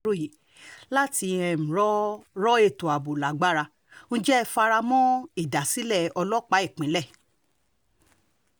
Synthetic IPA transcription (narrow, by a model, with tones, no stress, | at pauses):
o˦˨ji˨˦ | la˦ti˧ɛ̃˧m̩̃˨ɾɔ˦ɾɔ˦e˧˨to˨a˨bo˨la˨˦ɡ͡ba˦ɾa˧ | n̩ũ˦d͡ʒɛ˦˧fa˧ɾa˧mɔ̃˦i˦˨da˨si˨˦lɛ˦˨ɔ˧lɔ˦k͡pa˨˦i˦˨k͡pĩ˨˦lɛ˦˨